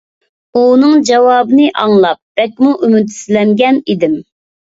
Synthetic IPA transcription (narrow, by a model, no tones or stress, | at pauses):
unɨŋd͡ʒɑwɑːbɨnɨʔɑŋlˠɑp̚b̥ɛk̚ʲmuʔymyt̪slɛŋɡʲɛnid̪ɪm